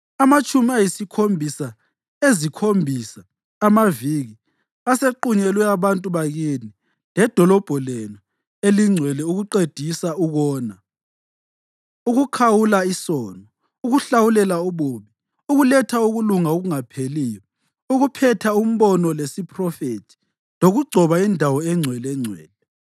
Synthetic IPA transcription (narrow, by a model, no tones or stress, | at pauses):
amat͡ʃʼumiajisikʰombʱisa | ezikʰombʱisaː | maviɣi | aseǃuɲɛlwɛaβantʼuβaɣini | lɛd̥ʱɔlɔb̥ʱɔlenu | eliŋ͡ǀʱwɛlɛuɣuǃed̥ʱisauɣɔːna | uɣukʰawulaisɔːnɔ | uɣuɬawulɛlauβoβi | uɣulɛtʰauɣuluŋaoɣuŋapʰeliːjɔ | uɣupʰɛtʰaum̩βɔnɔlesipʼrɔfetʰi̥ | loɣuɡ͡ǀʱɔβaindʱawɔɛŋ͡ǀʱwɛlɛŋ͡ǀʱwɛ̰ːlɛ